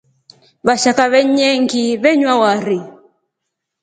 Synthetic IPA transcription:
βaʃakaβɛɲɛŋɡiβɛɲwawaɾi

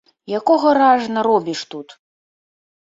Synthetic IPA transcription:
jakɔɣɐɾaʐnɐɾɔbʲiʂt̪ut̪

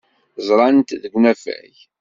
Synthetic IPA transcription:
zˤɾˤɑnt̪ðəɡnæfæ̰ç

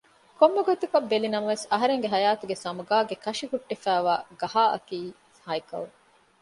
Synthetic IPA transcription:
komːɐɡot̪ukɐbːelinɐmɐʋesɐɦɐɾeŋɡeɦɐjaːt̪uɡesɐmɐɡaːɡekɐʂikuʈːefæːʋaːɡɐɦaːʔɐ̰kiː | hɐjkɐ̰l

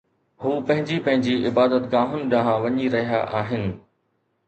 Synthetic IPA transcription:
huːpɐ̃ɦɪ̃ɲd͡ʑipɐ̃ɦɪ̃ɲd͡ʑiɪbaːd̪ət̪ɡaːɦʊnɪ̆ɗãːɦãʋɐɲiɾɐɦija̰ʔaːɦɪnɪ̆

